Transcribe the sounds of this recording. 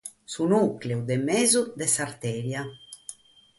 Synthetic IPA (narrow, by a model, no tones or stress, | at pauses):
sunukleud̪ɛmɛːzud̪ɛsaɾt̪ɛːɾja